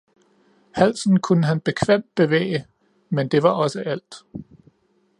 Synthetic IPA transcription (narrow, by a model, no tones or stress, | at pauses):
hæl̰sn̩kʰunəɦænb̥e̝kʰʋem̰d̥̚b̥e̝ʋḛːɪə | mend̥e̝ʋɑ̈ʔɒ̽səʔæl̰d̥